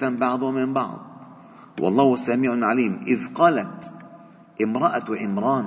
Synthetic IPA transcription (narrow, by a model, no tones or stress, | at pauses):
ambɑʕd̪ˤwamɪmbɑ̰ʕd̪ˤ | wʔɑ̰lˤːɑːhsamiːʕʊʕaliːmʔɪðqɑːlat̪ | ʔɪmɾˤɑʔawɪʔɪmɾˤɑːn